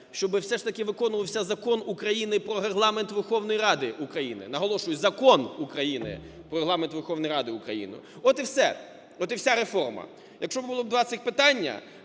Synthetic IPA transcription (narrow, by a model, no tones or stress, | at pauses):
ʃt͡ʃɔbɪwsɛʂt̪ɐkɪʋɪkɔnʊʋɐwsʲɐzɐkɔnukɾɐjinɪpɾɔɾeɦlˠɑment̪ʋerxɔwnɔjiɾɑd̪ɪʔukɾɐjinɪ̰nɐɦɔlˠɔʃʊjʊzɐkɔnukɾɐjinɪ̰ | pɾɔɾeɦlˠɑment̪ʋerxɔwnjɾɑd̪ɪukɾɐ̰jḭnʊ̰ɔt̪ɪwsɛ | ɔt̪ɪwsʲaɾefɔrmɐ̰ | jɐkʃt͡ʃɔbbʊlˠɔb̚d̪ʋɑt̪sɪxʲpɪt̪ɑnʲːɐ̰